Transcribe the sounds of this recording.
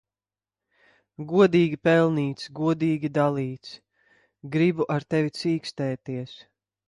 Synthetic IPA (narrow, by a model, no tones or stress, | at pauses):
ɡuɔd̪iːɡʲipɛlˠniːt̪sɡuɔd̪iːɡʲid̪alˠiːt̪s | ɡɾibuʔaɾt̪ɛvit̪siːkst̪ɛːt̪iɛs